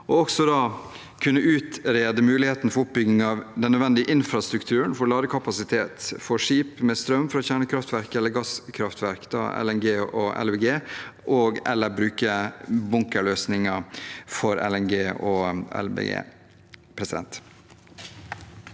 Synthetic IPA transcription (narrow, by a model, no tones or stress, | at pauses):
ɔɔksɔd̪ɑː | kʰʉnːəʔʉːt̪ɾeːd̪əmʉːlɪheːt̪nəfɔɾʊp̚bʏɡɪŋɑʋd̪ɛnːœd̪ʋɛnd̪ɪəʔɪnfɾɑst̪ɾʉkt̪ʰʉːɾənfɔɾɭɑːd̪əkʰɑpɑsɪt̪ʰeːt̪fɔʂiːpmest̪ɾœmfɾɑçæːɳəkʰɾɑft̪ʋæɾkəɛlːəɾɡɑskʰɾɑft̪ʰʋæɾkd̪ɑ̰ːɛ̰lɛnɡeːɔʔɛ̰lbeːɡeːʔɔɡɛ̰lːəɾbɾʉːkəbʊŋkəɭøːsnɪŋɑfɔɾɛ̰lɛnɡeːɔɛ̰lbḛːɡḛː | pʰɾɛsɪd̪ɛ̰nt̪